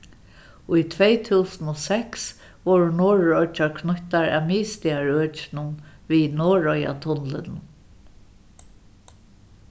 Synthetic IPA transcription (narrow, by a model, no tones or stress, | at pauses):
ʊjt̪ʰvɛjt̪ʰuːsnɔsɛks | ʋɔɹʊnɔːɹɔt͡ʃaɹkʰnʊht̪aɹæ̰miːst̪ɪaɹøːt͡ʃɪnʊnvinɔːɹɔja̰t̪ʰʊnlɪnʊ